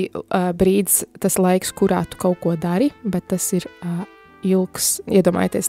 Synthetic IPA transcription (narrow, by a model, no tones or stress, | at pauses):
bɾiːd̪st̪aslˠajkskuɾaːt̪u̥kawkuɔd̪aɾibɛt̪ːasiɾ | ilˠksiɛd̪uɔma̰jeːt̪iɛs